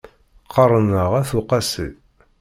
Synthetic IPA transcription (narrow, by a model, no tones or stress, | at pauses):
qʰɑɾˤənəʁæθuqɑsḭ